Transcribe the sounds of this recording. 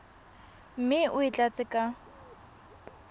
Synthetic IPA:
m̩mɪʊit͡ɬʼat͡sʼɪkʼa

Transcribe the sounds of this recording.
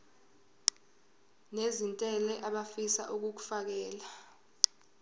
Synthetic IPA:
nezintʼɛlɛʔaɓafisaʔuk̬uk̬u̥fak̬ɛːla

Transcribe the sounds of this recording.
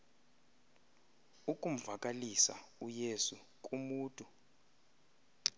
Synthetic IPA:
ukʼum̩vakʼalisa̰ujesu | kʼumuːtʼu

